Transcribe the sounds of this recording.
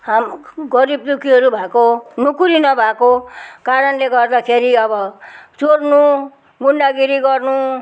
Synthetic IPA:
ɦamɡʌɾib̚d̪ukʰiɦʌɾubʱakonukuɾinʌbʱakokaɾʌnleɡʌrd̪akʰeɾiʌbʌt͡sornu | ɡuɳɖaɡiɾiɡʌrnu

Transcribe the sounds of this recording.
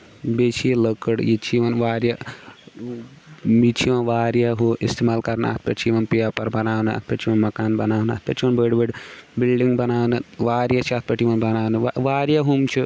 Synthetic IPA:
bet͡ʃʰijeləkəɽjit͡ʃʰiʋɐnʋaːɾja | mit͡ʃʰiʋɐnʋaːɾjaɦoʔist̪imaːlkɐɾnɐ̰t̪̚ʰpɐʈt͡ʃʰiʋɐnpijapɐɾbɐnaːʋnɨɐ̰t̪̚ʰpʰɐʈt͡ʃʰiʋɐnmɐkaːnbɐnaːʋnɨɐ̰t̪̚pʰɐt͡ʃʰiʋɐnbəːɖbəɖbilɖiŋɡbɐnaːʋnɨʋaːɾjat͡ʃʰiɐt̪̚ʰpɐʈiʋɐnbɐnaːʋnɨʋaʋaːɾjaɦumt͡ʃʰi

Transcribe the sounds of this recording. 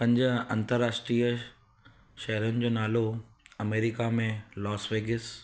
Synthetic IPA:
pɐ̃ɲd͡ʑəɐ̃nt̪əɾːaːʃʈɾiːə | ʃɐɦɾʊnɪ̆d͡ʑoːnaːlo | ɐmeːɾikamẽlɔːsʋeːɡɪs

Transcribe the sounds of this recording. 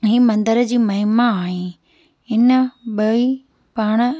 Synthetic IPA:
ɦiːmɐ̃nd̪əɾəd͡ʑiːmɐɦɪmaːɦẽ | ɦɪnə̆ɓɐi | paːɽ̃ə̆

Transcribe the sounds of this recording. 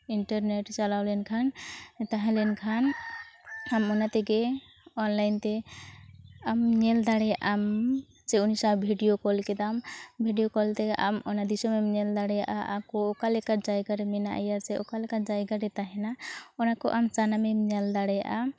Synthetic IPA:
iɳʈaɾneʈt͡ʃalawlɛnkʰant̪aɦɛ̃lɛnkʰan | amɔnat̪ɛɡɛ | ɔnlajnt̪ɛ | amɲɛld̪aɽɛjaʔam | d͡ʒɛunisabʱiɖijokɔlkɛd̪ambʱiɖijokɔlt̪ɛʔamɔnad̪isɔmɛmɲɛld̪aɽɛjaʔaʔakɔːkalɛkaʈd͡ʒajɡaɾɛmɛnaʔajaɾsɛɔkalɛkad͡ʒajɡaɾɛt̪aɦɛnaɔnakɔ̰ʔamt͡ʃanamɛmɲɛld̪aɽɛja̰ʔa

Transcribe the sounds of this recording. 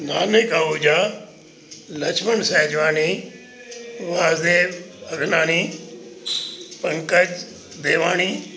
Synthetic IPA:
naːnekaːuːd͡ʑaː | lɐt͡ʃʰmənsɛːd͡ʑʋaːniː | ʋaːzd̪eːʋbɐɡʱnaːniː | pɐ̃ŋkəd͡ʒ | d̪eːʋaːñiː

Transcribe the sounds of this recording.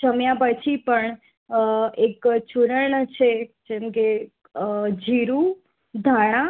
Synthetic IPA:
t͡ʃəmjãpət͡ʃʰipəɳ | ekt͡ʃuɾəɳt͡ʃʰed͡ʒemke | d͡ʒʱiɾu | d̪ʱaɽ̃ã

